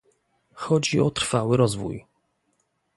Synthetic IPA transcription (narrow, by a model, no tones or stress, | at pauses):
xɔd͡ʑiɔt̪ɾ̥fawɘɾɔzvṵj